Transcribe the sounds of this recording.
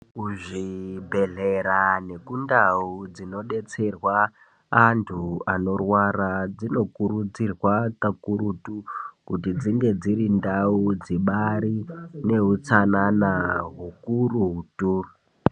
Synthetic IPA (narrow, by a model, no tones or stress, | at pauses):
kuʐibʱe̞ɮe̞ɾane̞kundaud͡zino̞ɗe̞t͡se̞rwaː | ntʰuano̞rwaɾad͡zino̞kurud͡zirwakakuɾutukutid͡ziŋɡe̞d͡ziɾindaud͡ziɓaɾine̞ɦut͡sananaɦukurutu